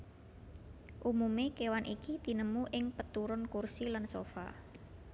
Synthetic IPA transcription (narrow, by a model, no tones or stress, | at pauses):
ʔumumekewanʔikid̪̥i̤nəmuʔɪŋpət̪uɾʊnkursilansofa̰